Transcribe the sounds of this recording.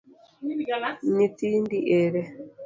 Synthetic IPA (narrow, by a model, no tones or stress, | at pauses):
nitindiʔeɾɛ